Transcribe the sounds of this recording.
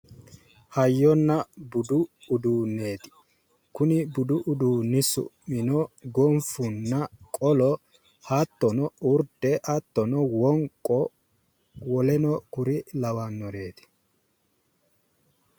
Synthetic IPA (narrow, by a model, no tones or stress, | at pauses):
hɐjːɔnːɐbʊd̪ʊː | d̪uːnːe̞ːt̪ɪ̥ | kʊnɪbʊd̪ʊʔʊd̪uːnːɪsʊ̰ʔɪnɔɡɔɱfʊnːɐkʼɔlɔ | hɐt̪ːɔnɔʊɾd̪ɛʔɐt̪ːɔnɔwɔŋkʼːɔ | wɔlɛnɔkʊɾɪlɐwɐnːɔɾe̞ːt̪ɪ̥